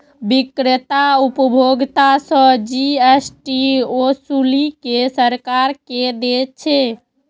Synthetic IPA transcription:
bikɾet̪aupəbʱoɡt̪asə̃d͡ʒiesʈiosulikesəɾkaɾked̪et̪̚t͡ʃʰe

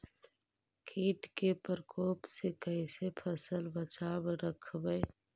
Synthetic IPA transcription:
kʰiːʈkepɾəkʰoːpsekəisepʰəsəlbət͡ʃaːbɾəkʰbəe

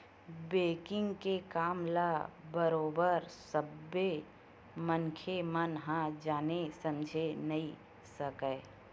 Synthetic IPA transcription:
beːkɪ̃ŋɡkekaːmlabəɾoːbəɾsəbːe | mənkʰemənɦãd͡ʒaːnesəmd͡ʒʱenɐĩ | səkəː

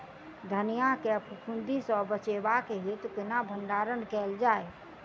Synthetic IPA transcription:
d̪ʱənijakeəpʰukʰund̪ʱisɔbət͡ʃebakeɦit̪ɔkənabʱənɖaɾənkɛld͡ʒae

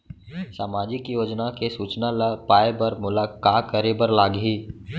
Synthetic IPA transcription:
saːmaːd͡ʒɪkjoːd͡ʒnakesuːt͡ʃnalapaːebɐɾmʊlakaːkəɾebəɾlaːɡɦiː

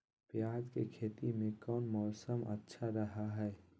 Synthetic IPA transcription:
pjaːd͡ʒkekʰeːt̪imẽkɔːnmɔːsəmə̰tːʃʰaɾɐɦaɦɛː

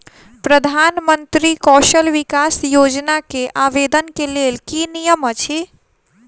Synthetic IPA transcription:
pɾəd̪ʱaːnmənt̪ɾikɔʃəlʋikasjoːd͡ʒnakeʔaʋed̪ənkelelkinijəmət͡ʃʰi

